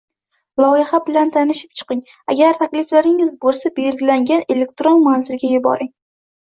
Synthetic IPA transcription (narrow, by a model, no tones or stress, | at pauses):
lˠɒjɪhabɪlant̪ʰanɪʃɪ̥p̚t͡ʃʰɨ̥qɪŋ | a̰ɡʲaɾt̪ʰakʲlɪflaɾɪŋɪzbolˠsabe̞lɡʲɪlaŋɡʲane̞le̞k̚ʲt̪ɾonmanzɪlɡʲajʊbɒ̰ɾɪŋ